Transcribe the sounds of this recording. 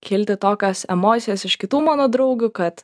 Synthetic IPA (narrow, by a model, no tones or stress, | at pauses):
kʲɪlʲt̪ʲɪt̪oːkʲoːsɛmoːt̪sʲɪjɛsɪʃkʲɪt̪uːmɑːnoːd̪ɾɐʊɡʲuːkɐt̪